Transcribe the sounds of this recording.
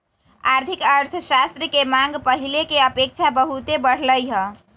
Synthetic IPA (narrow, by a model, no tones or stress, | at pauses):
aɾt̪ʰikəɾt̪ʰəsast̪ɾəkemaŋɡpəɦilekeəpek̚t͡ʃʰabəɦut̪ebəɽ̤ləjɦə̃